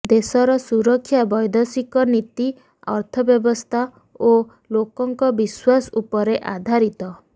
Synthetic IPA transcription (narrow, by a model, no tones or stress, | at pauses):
d̪esɔɾɔsuɾɔkʰːjabɔjd̪ʱɔsikɔnit̪i | ɔ̰ɾt̪ʰɔbjɔbɔst̪ʰa | o | lokɔŋkɔbiswasɔupɔɾeʔad̪ʱaɾit̪ɔ